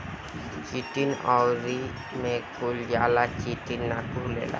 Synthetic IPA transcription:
kitinawɾi | mɛkʰuljalakitinːakulɛ̰la̰

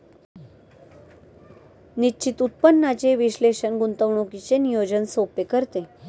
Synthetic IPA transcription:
nit͡ɕit̪ut̪̚pənːat͡ɕeʋiɕleɕənɡunt̪əʋɳokit͡senijod͡ʑənsopekəɾt̪e

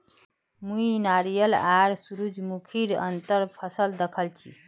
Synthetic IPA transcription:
mũinaɾijəlaɾsuɾud͡ʒmukʰiɾə̰nt̪əɾpʰəsəld̪əkʰəlt͡ʃʰḭ

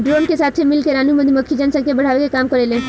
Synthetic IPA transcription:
ɖɾoːnkesaːt̪ʰemɪlkeɾaːnumə̃d̪ʱiməkʰːid͡ʒansakebəɽ̤aːʋekekaːmkəɾelẽ

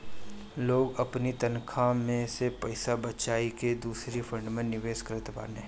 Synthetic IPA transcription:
loːɡɐpnit̪ɐnkʰamẽsepɐɪsabɐt͡ʃaːiked̪uːsɾifʰə̃ɳɖmẽnɪʋeːʃkəɾt̪epa̰ːneɦ

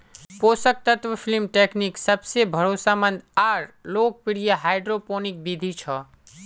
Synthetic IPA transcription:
poːsək̚t̪ət̪ʋəpʰilmʈeːkniksəbsebʱəɾoːsamə̃nd̪aːɾloːk̚piɽijaɦaːɪɖɾopoːnik̚bid̪ʱit͡ʃʰɔ

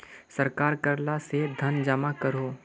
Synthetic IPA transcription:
səɾkaːɾkɐɾlased̪ʱɐnd͡ʒəmakəɾoː

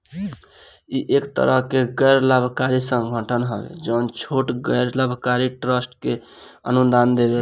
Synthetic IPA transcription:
iʔekt̪ə̰ɾəɦkeɡəjɾləbʱkaɾisə̃ŋɡʱəʈʰənɦəbḛd͡ʒəʊnt͡ʃʰoʈɡəjɾləbʱkaɾiʈɾəsʈke | ə̰nund̪and̪ebe

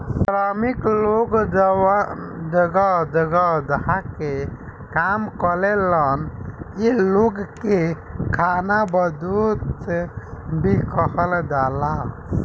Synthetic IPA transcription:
sɾamikloɡd͡ʒwd͡ʒəɡad͡ʒəɡad̪ɦake | kamkəleləniloɡkekʰanabəd̪ut̪sebʱikəhəld̪ala

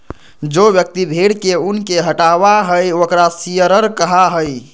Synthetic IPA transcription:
d͡ʒobjək̚t̪ibʱeɽkeunkeɦəʈabaɦəjokɾasijəɾəɾkəɦaɦəj

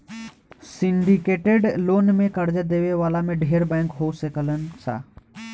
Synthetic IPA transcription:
sɪɳɖikeːʈeɖloːnmẽkəɾd͡ʒəd̪eːʋeʋaːlamẽɖʱeːɾbɛ̃ːŋkɦoːsekələnɪ̆sa̰ː

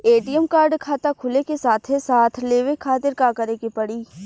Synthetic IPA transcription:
eːʈiəmkaːɾɖkʰaːt̪akʰʊlekesaːt̪ʰɦesaːt̪ʰleːʋekʰaːt̪ɪɾkaːkɐɾekepɐɽiː

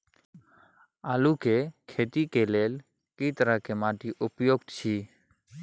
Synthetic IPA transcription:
aːluːkekʰeːt̪ikeleːl | kiːt̪əɾakemaːʈiʔʊpjoːɡt̪t͡ʃʰiː

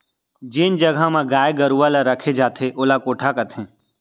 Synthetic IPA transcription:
d͡ʒɪnd͡ʒɐɡʱamãɡaːeɡɐɾuʋalaɾɐkʰed͡ʒaːt̪ʰeʔʊlakoːʈʰakɐt̪ʰẽː

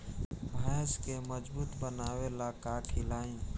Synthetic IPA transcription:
bʱəjskeməd͡ʒbuːt̪bənaːwelakakʰilaːĩ

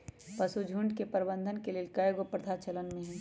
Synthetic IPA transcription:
pɐsud͡ʒʱuɳɖkepəɾbə̃nd̪ʱənkeleːlkajɡopɾət̪ʰat͡ʃɐlənmẽɦɛ̃ː

